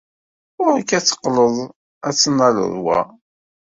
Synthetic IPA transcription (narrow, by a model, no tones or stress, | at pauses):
ʊɾəkːæt͡sːə̥qːləðˤ | æt͡sːənːælə̰ðˤwæ̰